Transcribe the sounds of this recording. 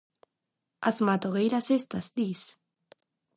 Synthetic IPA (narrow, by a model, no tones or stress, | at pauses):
a̰zmat̪oɣejɾasest̪azd̪is